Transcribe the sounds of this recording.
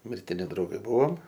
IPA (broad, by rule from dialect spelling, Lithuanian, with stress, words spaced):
mʲɪrʲtʲɪˈnʲɪ drɐʊˈɡɐɪ ˈbʊʋoːm